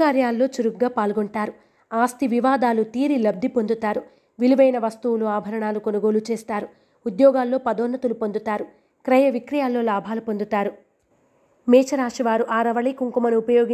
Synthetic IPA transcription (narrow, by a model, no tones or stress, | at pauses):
aːɾjaːlːo̞ːt͡ʃuɾuɡɡaːpaːlɡoɳʈaːɾu | aːst̪iʋiʋaːd̪aːlut̪iːɾilɐb̚d̪ʱipond̪ut̪aːɾu | ʋiliʋɐjnɐʋɐst̪uwuluaːbʱɐɾɐɳaːlukonuɡo̞ːlut͡ʃeːst̪aːɾu | ud̪jɔːɡaːlːo̞ːpɐd̪ɔːnːɐt̪ulupond̪ut̪aːɾu | kɾɐjɐʋikɾɐjaːlːo̞ːlaːbʱaːlupond̪ut̪aːɾu | mɛːt͡ʃɐɾaːʂiʋaːɾuʔaːɾɐʋɐɭikuŋkumɐniupɐjoːɡi